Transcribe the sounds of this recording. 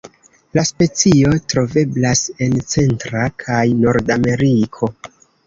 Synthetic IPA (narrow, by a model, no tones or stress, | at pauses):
laspe̞t͡sio̞tɾo̞ve̞blase̞nt͡se̞ntɾakʰajno̞ɾdame̞ɾikʰo̞